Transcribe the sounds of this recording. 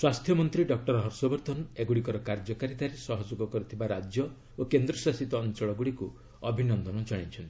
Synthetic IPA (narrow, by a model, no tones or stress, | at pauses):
swast̪ʰjɔmɔnt̪ɾiɖɔk̚ʈɔɾɔɦɔɾsɔbɔɾt̪ʰɔneɡuɽikɔɾɔkaɾd͡ʒɔkaɾit̪aɾesɔɦɔd͡ʒoɡɔkɔɾit̪ʰibaɾad͡ʒjɔ | okend̪ɾɔsasit̪ɔːnt͡ʃɔɭɔɡuɽiku | ɔbʱinɔnd̪ɔnɔd͡ʒaɽ̃it͡ʃʰɔnt̪